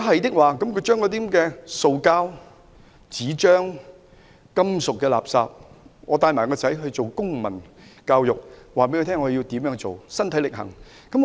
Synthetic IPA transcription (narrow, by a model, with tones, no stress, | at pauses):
ɦɐ˨jt̪ɪ˥k̚waː˨kɐ˨˦mkʰɵ˧jt͡ʃœː˥ŋkɔ˨˧˥t̪i˥˦˥kɛː˧so˨wkaː˥w | t͡siː˨˥t͡ʃœː˥ŋ | kɐ˥msʊ˨kːɛː˧la̰ː˨˩p̚saː˧p̚ŋɔ̰ː˨˧t̪aː˧jmaː˨˩kɔː˧t͡sɐ˨˥jɦɵ˧ɥt͡so˨wkʊ˥ŋmɐ˨˩n | kaː˧wjʊ˨k̚waː˨˩pe˨˥jːt̪ʰɛː˥ŋɔː˨˧ji˧wt̪iː˨˥mjœː˨˥ŋt͡so˨wsɐ˥nt̪ʰɐ˨˥jlɪ˨k̚hɐ̰˨˩ŋ | kɐ˨˥m